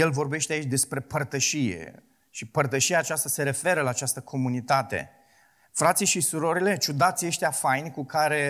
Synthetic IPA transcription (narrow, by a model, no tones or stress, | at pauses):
je̞lvo̞rbe̞ʃt̪eait͡ʃʲd̪e̞spɾe̞pərt̪əʃijḛ | ʃipərt̪əʃijaːt͡ʃast̪ase̞ɾe̞fe̞ɾəlaːt͡ʃast̪əkʰo̞munit̪at̪e̞̰ | fɾat̪sijʃisuɾo̞ɾile̞t͡ʃud̪at̪sieʃt̪eafajnʲkukaɾe̞